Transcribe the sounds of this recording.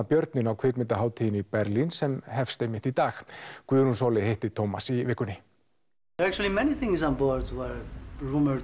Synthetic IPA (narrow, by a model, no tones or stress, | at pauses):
apjœɾt̪nɪnawkʰvɪkmɪnt̪aɦaːwt̪ʰinipɛɾlinsɛmɦɛfst̪ejmɪht̪it̪aːxkvʏɾhunsoːwlɪhejht̪ɪt̪ʰomasivɪːhkʏnɪ | ðəɹæk̚t͡ʃul̩ˠimɛniθɪ̃ŋzɔ̃nbɔɹdwɛɹɹũmə˞